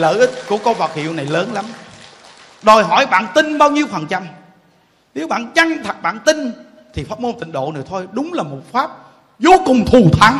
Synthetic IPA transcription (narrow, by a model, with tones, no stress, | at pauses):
lə̰ː˧˨ʔï˦˥k̟̚kṵ˧˩˥əkɔ˧˦va˨˩t̚hḭ˧˨əwna˨˩jləː˨˦nla˨˦m | ɗɔ˨˩jɦɔ̰˧˩˦jɓa̰ː˧˨nt̪ï˧nɓaː˧wɲi˧wfə˨˩nt͡ɕa˧m | ne˨˦wɓa̰ː˧˨nt͡ɕa˧ŋt̪ʰa˨˩k̚ɓa̰ː˧˨nt̪ï˧n | t̪ʰi˨˩faː˦˥t̚mo˧nt̪ï˧˨˩ŋ̟ɗo̰˧˨nɨ̰˨˧˩ət̪ʰo˧jɗʊ˨˦ŋ͡mlaː˨˩mo˨˩t̚faː˦˥p̚ | zo˨˦kʊ˨˩ŋ͡mt̪ʰu˨˩t̪ʰa˨˦n